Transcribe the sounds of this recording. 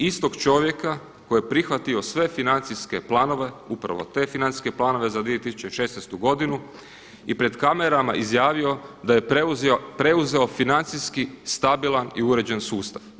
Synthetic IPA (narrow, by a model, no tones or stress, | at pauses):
ist̪o̞ɡt͡ʃo̞ʋje̞ka | kojepɾixʋat̪io̞sʋe̞finant̪siske̞plˠaːno̞ʋe̞upɾa̰ʋo̰t̪e̞finani̥ske̞plˠaːno̞ʋe̞zad̪ʋiet̪isu̥t͡ɕeʃesnest̪uɡo̞d̪inu | ipɾe̞d̪kame̞ɾama̰ʔizjaːʋio̞d̪ajepɾe̞uze̞o̞finant̪siskist̪abilˠaniuɾe̞d͡ʑensuːst̪aʋ